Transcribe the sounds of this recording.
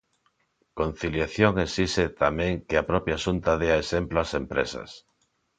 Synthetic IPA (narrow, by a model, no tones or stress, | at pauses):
kon̟θiljaθjoŋesiset̪amẽŋkeapɾɔpjaʃunt̪aðeaesemploasempɾesɐ̰s